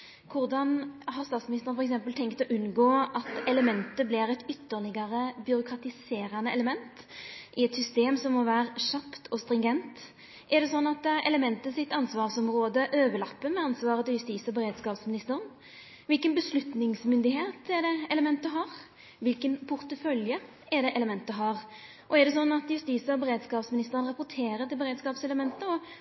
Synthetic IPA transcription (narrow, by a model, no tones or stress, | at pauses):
kʰʊʁd̪ɑnɦɑʁst̪ɑːt̪smɪnɪst̪ənfɔɾɛks̬ɛmpəlt̪ʰɛŋkt̪ɔʔʉnɡoːʔɑt̪ɛləmɛnt̪əbliːɾɛt̪ʏt̪ːəʁlɪɡɑɾəbʏɾʊkʰʁɑt̪ɪseːɾɑnːəɛləmɛnt̪ | ʔɪɛt̪sʏst̪eːmsɔmːɔʋæːʁʂɑpt̪ʰɔst̪ɾɪŋɡɛnt̪ | ʔɛʁd̪ɛsɔnːɑt̪ɛləmɛnt̪əsɪt̪ːɑnsʋɑːʁsɔmʁoːd̪əʔøːʋəlɑpːəmɛɑnsʋɑːɾət̪ɪljʉst̪iːsɔbəɾeːd̪skɑːpsmɪnɪst̪əɾən | ʋɪlkənbəslʉt̪nɪŋsmʏnd̪ɪɦeːt̪ɛd̪ɛɛləmɛnt̪əɦɑːɾ | ʋɪlkənpʰʊɾt̪əfœljə | ɛɖ̪ɛʔɛləmɛnt̪əɦɑːɾ | ʔɔɛd̪ɛsɔnːɑt̪jʉst̪isəɔbəɾeːd̪skɑːpsmɪnɪst̪əɾənɾɑpʊt̪ʰeːɾət̪ɪlbəɾeːd̪skɑːpsɛləmɛnt̪əɔ